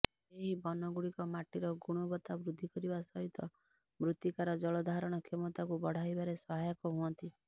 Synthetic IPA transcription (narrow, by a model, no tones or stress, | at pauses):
eɦibɔnɔɡuɽikɔmaʈiɾɔɡuɽ̃ɔbɔt̪abɾud̪ʱːikɔɾibasɔɦit̪ɔ | mɾut̪ikaɾɔd͡ʒɔɭɔd̪ʱaɾɔɽ̃ɔkʰemɔt̪akubɔɽ̤aibaɾesɔɦajɔkɔɦuɔnt̪i